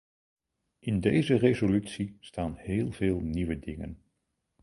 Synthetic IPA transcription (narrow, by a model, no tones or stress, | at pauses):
ʔɪndejzərezolytsistaːnɦɪːlˠveːlˠniʋədɪŋə̰n